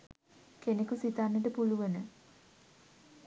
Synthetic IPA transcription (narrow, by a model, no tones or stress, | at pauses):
kenekusit̪anːəʈ̬əpuluʋənə